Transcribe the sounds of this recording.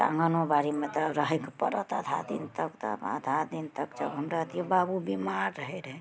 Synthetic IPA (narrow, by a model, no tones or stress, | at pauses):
t̪ã̰ŋɡənobaɾimet̪ɔɾəɦɛkepə̰ɾət̪ad̪ʱa̰d̪ḭnt̪əkt̪ə̰ba̰d̪ʱad̪int̪əkd͡ʒəbɦəmɾat̪iebabubimaɾːəɦɛɾɦɛ